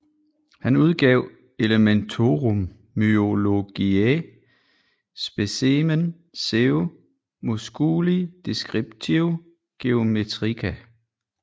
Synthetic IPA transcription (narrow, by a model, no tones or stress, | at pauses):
hænuð̞ˠɡ̥ɛʊ̰ | e̝ləment͡sʰo̝ʁomː | yo̝lo̝ɡ̥ie | sb̥esemen | seo | mosɡ̥uːlid̥e̝sɡ̥ʁib̥̚t͡sʰiʊ | ɡ̥e̝o̝met͡sʰʁikʰæ